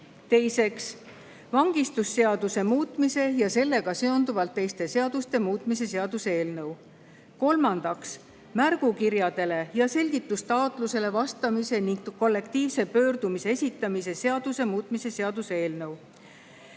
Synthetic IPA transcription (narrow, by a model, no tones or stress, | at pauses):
t̪e̞jse̞ks | vɑŋɡ̥ist̪usːe̞ɑd̪use̞muːt̪ˑmise̞jɑse̞lːe̞ɡ̥ɑse̞o̞nd̪uvɑlt̪ːe̞jst̪e̞se̞ɑd̪̥ust̪e̞muːt̪ˑmise̞se̞ɑd̪̥useeːlnɤw | ko̞lmɑnd̪̥ɑks | mærɡ̥ukiɾjɑd̪̥e̞le̞jɑse̞lʲɡ̥it̪ːˑust̪ɑot̪ˑluse̞le̞vɑst̪ɑmise̞niŋɡkːo̞lːe̞kt̪iːvse̞pø̞ːrd̪umise̞e̞sʲit̪ːˑɑmise̞se̞ɑd̪̥use̞muːt̪ˑmise̞se̞ɑd̪̥usee̞ːlnɤw